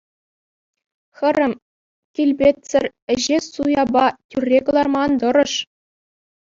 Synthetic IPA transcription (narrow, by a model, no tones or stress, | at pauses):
xɘ̆ɾʲɘ̆m | kʲilʲbʲet̪ʲsʲɘ̆rʲɘ̆ʑesujɑbɑtʲyrʲːekɤ̆lˠɑrmɑnd̪ɤ̆ɾɤ̆ʂ